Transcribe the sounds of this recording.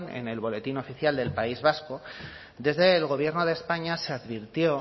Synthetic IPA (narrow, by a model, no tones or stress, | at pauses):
nḛne̞̰lβ̞o̞le̞t̪ino̞fiθjald̪e̞lpaizβ̞asko̞ | d̪e̞zðe̞ːlɣ̞o̞β̞je̞ɾno̞ðe̞ːspaɲase̞aðβiɾt̪jo̞